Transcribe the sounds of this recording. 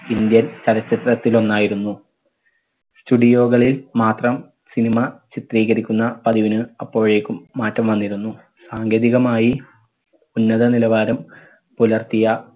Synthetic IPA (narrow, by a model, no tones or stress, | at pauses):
ind̪jɐnt͡ɕɐlɐt͡ɕːɐt̪rɐt̪ːilo̞nːaːjiɾunːu | stuɖijo̞ːɣɐɭilmaːt̪rɐm | sinimɐt͡ɕit̪riːɣɐɾikʲːunːɐpɐðiʋinɨɐpːo̞ːɻeːkʲːumːaːtːɐmʋɐnːiɾunːu | saːŋɡeːðiɣɐmaːji | unːɐðɐnilɐʋaːɾɐm | pulɐrt̪ijɐ